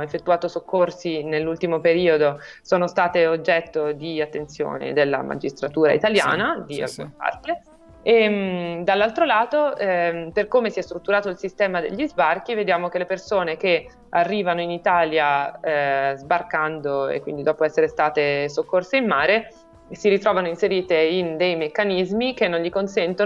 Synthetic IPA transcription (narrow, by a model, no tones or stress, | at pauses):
efːet̪ːuaːt̪osokːorsinelːult̪imopeɾiːod̪o | soːnost̪aːt̪eod͡ʒːɛt̪ːod̪iat̪ːent̪sjo̰ːnḛd̪elːa̰mʔa̰d͡ʒist̪ɾat̪uːɾa̰ḭt̪alja̰ːnad̪ia̰lkṵneba̰rke | ed̪alːalt̪ɾolaːt̪oɛperkoːmesiɛst̪ɾut̪ːuɾaːt̪oilsist̪ɛːmad̪ḛʎːizbark̟ived̪jaːmok̟elepersoːneke | arːiːvanoinit̪aːlja | zbarkand̪oḛkːwind̪id̪ɔːpoɛsːeɾest̪aːt̪esokːorseinmːaːɾe | siɾit̪ɾɔːvanoinseɾiːt̪eind̪ejmekːanizmik̟enːõnʎikonsɛnt̪o